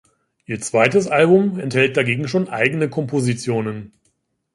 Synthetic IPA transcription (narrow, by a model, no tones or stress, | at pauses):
ʔiːɐt͡sv̥aɪtəs̬ʔalbʊmɛnthɛlt̚d̥aɡeːɡŋ̩ʃoːnʔa̰ɪɡənəkʰɔmpozit͡sjoːnən